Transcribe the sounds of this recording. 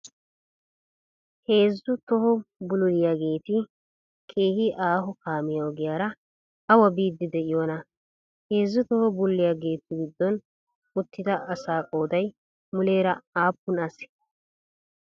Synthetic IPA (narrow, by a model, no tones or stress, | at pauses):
he̞ːzːʊt̪ɔhɔbʊlʊlɪjaːɡe̞ːt̪ɪ | kʰʼeːhɪʔaːɦɔkaːmɪjaɔɡɪjaːɾɐ | ɐwɐbiːd̪ːɪd̪ɛʔɪjoːnɐ | he̞ːzːʊt̪ɔhɔbʊlːɪjaɡe̞ːt̪ɪɡɪd̪ːɔn | ʊt̪ːɪd̪ɐʔɐsaːkʼo̞ːd̪ɐj | mʊle̞ːɾɐaːpːʊnɐsɛ̥